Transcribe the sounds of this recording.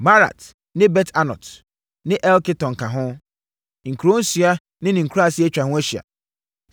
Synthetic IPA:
ba˦ɾa̰˨t | nɪ̃˦bɛ˦tʰa˦nɔ̰˨t | nɪ̃˦ʔɛ˦lkɪ˦tɔ̃˨ŋ̩˨kʰã˨ɦʊ̃˦ | ŋ̩˨kʰu˨ɾo˦n̩˦sɥa˦ | nɪ̃˦nɪ̃˨ŋ̩˨kʰa˦˨sɪ˦e˦t͡ɕᶣa˨hʊ̃˦æ˦ɕi˨a̰˨

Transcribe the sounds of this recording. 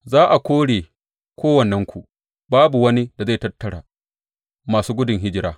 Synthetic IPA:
zaː˦ʔa˨kʷoː˦ɽeː˨ | kʰʷoː˦wɐ˨nːɛ˦ŋkʷu˨ʔ | baː˦bu˨wɐ˦ni˦da˨za˦˨tɐ˦tːɐ˨ɽa̰ː˨ | maː˨suː˦ɡʷʊ˦dʊ˨ŋɦɪ˦d͡ʒɪ˦ɾaː˦

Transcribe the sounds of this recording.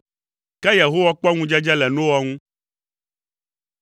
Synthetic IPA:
kɛ˦jɛ˨ɦo˦wa˦k͡pɔ˦ŋũ˦d͡ʒɛ˦d͡ʒɛ˦lɛ˨nõ˦wa˦ŋũ˦

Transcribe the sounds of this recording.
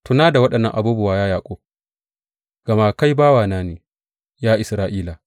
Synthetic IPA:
tʊ˨naː˦da˨wɐ˦ɗɐ˨nːɐ̰˦ʔa˨buː˦bʊ˨waː˦jaː˦jaː˨kʷʼo˦ | ɡ̥ɐ˨maː˦ka˦jbaː˦waː˨naː˦neː˨ | jaː˦ʔɪ˨sɾaː˦ʔiː˦laː˨

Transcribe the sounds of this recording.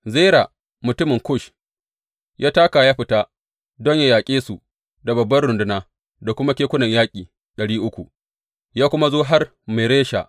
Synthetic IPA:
zeː˦ɾa˨ | mʊ˨tʊ˦mɪ˨ŋkʊ˦˨ʃ | jʔaː˦taː˦ka˨jaː˦ɸɪ˨ta˦ | dɔ˦ɲja˦jaː˨kʲʼeː˦su˨ | da˨bɐ˨bːɐ˦rɽʊ˨ndʊ˦naː˦ | da˨kʷʊ˦ma˦kʲeː˦kʷʊ˦nɐ˨ɲjaː˦kʲʼiː˨ | ɗɐ˨ɽiː˦ʔʊ˦kʷu˨ | jaː˦kʷʊ˦ma˦zoː˦ɦa˦r | me˨ɾeː˦ʃa̰˨ʔ

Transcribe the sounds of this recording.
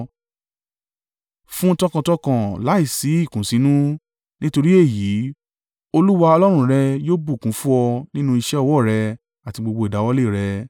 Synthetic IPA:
fũ˦˧tɔ̃˦kã˧tɔ˧kã˨la˨˦i˦˨si˨˦i˦˨kũ˨˦sĩ˧˦nũ˦ | nĩ˦to˧ɾi˦e˦˨ji˨˦ | o˧lu˦wa˧ɔ˧lɔ˦ɾ̃ũ˧ɾɛ˧joː˦bu˦˨kũ˨˦fu˦ɔ˧nĩ˦nũ˦i˧ʃɛ˦ɔ˧wɔ˦˨ɾɛ˧ | a˨ti˧ɡ͡bo˧ɡ͡bo˧i˨da˨˦wɔ˧˦le˦˨ɾɛ˧

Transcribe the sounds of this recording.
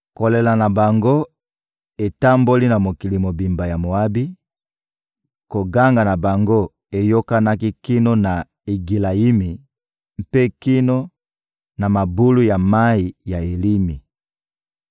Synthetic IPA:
ko˨le˨la˨na˨ba˨ŋɡo˦ | e˨ta˦mbo˦li˦na˨mo˨ki˨li˨mo˨bi˨mba˨ja˨mo˨a˦bi˦ | ko˨ɡa˦ŋɡa˨na˨ba˨ŋɡo˦˨ | e˨jo˦ka˦na˦ki˦ki˦no˦na˨ | e˨ɡi˨la˨i˦mi˨ | m˨pe˦ki˦no˦ | na˨ma˨bu˦lu˦ja˨ma˦i˨ja˨e˨li˦mi˨

